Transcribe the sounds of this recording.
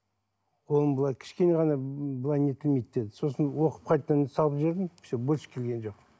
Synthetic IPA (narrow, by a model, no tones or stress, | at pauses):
wolˠəbəlˠɑjkʲʰɪ̥ʃkʲe̞neʁɑnɑbəlˠɑjnet̪ʰɪlmejt̪̚d̪ed̪ɪso̞sənwo̞qə̥p̚qʰɑjt̪ːɑnsɑlˠəpʒe̞ɾd̪ɪmʰɪ̥ʃebʊʃkʲʰe̞lɡʲe̞nʒo̞q